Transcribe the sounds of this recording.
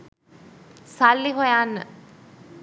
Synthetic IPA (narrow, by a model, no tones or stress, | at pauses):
salːiɦojanːə